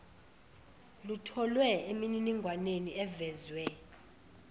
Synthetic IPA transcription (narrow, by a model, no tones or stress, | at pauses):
lutʰɔlwɛemininiŋɡʱwaneniɛvɛzwɛ